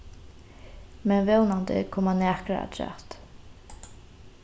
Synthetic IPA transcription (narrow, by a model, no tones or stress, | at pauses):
mɛnvɛwnand̪ɪ̰kʰɔmanɛːkɾa̰a̰d̪ʰɾɛ̰t̪